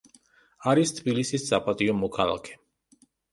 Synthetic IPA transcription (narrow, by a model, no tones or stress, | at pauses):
aɾist̪ʰbilisiszapʼat̪ʼiɔmukʰalˠa̰kʰɛ̥